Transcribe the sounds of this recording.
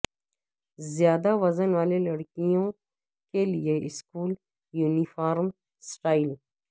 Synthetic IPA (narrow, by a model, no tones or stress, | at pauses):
zjaːd̪aʋɐzənwaːlelɐɽkijõ | kelieʔɪskuːl | juːnifaːɾm | sʈaːɪl